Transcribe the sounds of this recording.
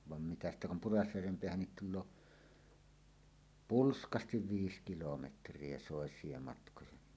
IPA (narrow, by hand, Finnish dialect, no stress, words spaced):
ʋɑn mitæ stæ kum purɑsjærʋem peæhænːit tulˑoː pulskɑstiʋ ʋiːs kilometrˑie soˑesˑie mɑtkojɑ ni